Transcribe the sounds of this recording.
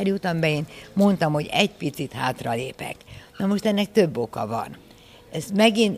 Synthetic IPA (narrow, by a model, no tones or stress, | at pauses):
ɛrjut̪ɒmbɛeːnmo̞nt̪ɒmho̞ɟɛcpit̪sit̪ha̰ːt̪rɒleːpɛ̰knɒmo̞ʃt̪ɛnːɛk̚t̪ø̞bːo̞kɒvɒ̰n | ɛzmɛɡin